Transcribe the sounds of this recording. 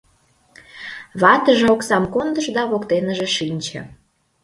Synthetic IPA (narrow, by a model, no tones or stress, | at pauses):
βɑt̪əʒeoksɑmkond̪əʃd̪ɑβokt̪enəʒĕʃinʲt͡ɕə̰̆